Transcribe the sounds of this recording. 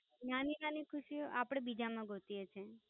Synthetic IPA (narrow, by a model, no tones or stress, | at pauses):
naninanikʰuʃioʔapɽ̃ebid͡ʒamãɡʱot̪iet͡ʃʰe